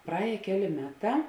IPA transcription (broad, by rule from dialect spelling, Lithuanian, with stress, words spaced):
prɐˈɛːjeː ˈkʲæːˌlʲeː ˈmʲæːˌtɑː